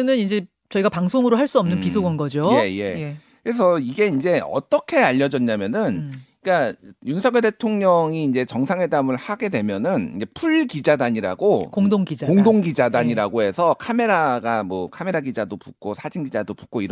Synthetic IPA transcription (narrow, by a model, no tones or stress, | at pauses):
nɯnind͡ʑe̞ | t͡ɕʌiɡapaŋsʰoŋɯɾoɦaɭs͈uʌmnɯnpisʰoɡʌnɡʌd͡ʑojjeje̞ekɯɾe̞s̬ʰʌiɡe̞ind͡ʑe̞ʌ̰t͈ʌkʰe̞aʎːʌd͡ʑʌɲːamjʌnɯnik͈ajunsʰʌŋɡjede̞tʰoŋɲʌŋiːnd͡ʑe̞t͡ɕʌŋsʰaŋwe̞damɯɭhaɡe̞dwe̞mjʌnɯnind͡ʑe̞pʰuɭɡid͡ʑadaɲiɾa̰ɡokoŋdoŋɡid͡ʑakoŋdoŋɡid͡ʑadaɲiɾaɡoɦe̞sʰʌkʰame̞ɾaɡamwʌkʰame̞ɾaɡid͡ʑadopu̥k̚k͈osʰad͡ʑinɡid͡ʑadopu̥k͈oiɾ